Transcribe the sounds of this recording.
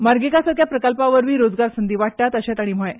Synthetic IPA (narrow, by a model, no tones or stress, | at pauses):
maɾɡikasəkʰjapɾəkəlpãʋəɾʋiːɾod͡zɡaɾsənd̪iːʋaʈ̚ʈ̪at̪əɕat̪aɽ̃im̤əe